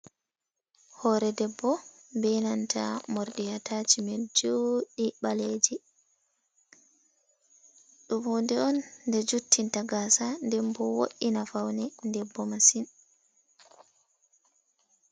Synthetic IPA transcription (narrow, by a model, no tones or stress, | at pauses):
hɔɾɛdɛbːɔ | bɛnantʰa̰moɾɗijataːd͡ʒimɛd͡ʒoːɗiɓaled͡ʒi | ɗumondɛɔnːdɛd͡ʒutʰːintaɡaːsandɛmbɔwo̰ʔinafawnɛndɛbːɔmasin